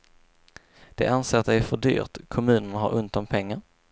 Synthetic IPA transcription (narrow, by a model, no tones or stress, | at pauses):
d̪̥ɛ̰ʔanseːɾat̪d̪ɛæɾfœɖy̰ːɾt̪kʰɔmʉ̟ːnənɦaɾʔɵnt̪anpʰɛŋːaɾ